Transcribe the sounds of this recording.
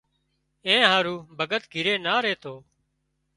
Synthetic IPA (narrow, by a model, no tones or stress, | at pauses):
ẽːɦãːɾuːbʱəɡət̪ɡʱɪɾeːnaːɾeːt̪ʰoː